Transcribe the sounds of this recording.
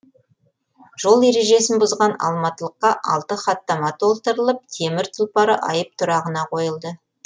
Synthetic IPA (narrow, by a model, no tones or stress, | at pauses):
ʒ̥o̞lˠe̞ɾe̞ʒe̞sɪnbʊzʁɑnɑ̰lˠmɑt̪əlˠəqːɑʔɑ̰lˠt̪əχɑt̪ːɑmɑt̪ʰo̞lˠt̪əɾəlˠəp̚t̪ʰe̞mɪɾt̪ʰʊlˠpɑɾəʔɑ̰jəp̚t̪ʰʊɾɑʁənɑqʰo̞jəlˠd̪ə